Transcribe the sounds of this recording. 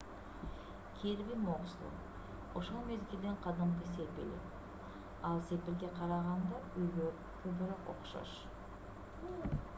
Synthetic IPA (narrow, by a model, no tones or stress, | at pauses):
kʲʰelbemoqslˠo̰ | oʃəlˠmezɡʲɪld̪eɴqʰɑd̪əmd̪əsepḛlḛd̪ | ɑlˠsepɪɾɡʲe̞qʰɑɾɑʁɑnd̪ɑʏɡe | kʲʰɵbɪɾɪqo̰qʃə̰ʃ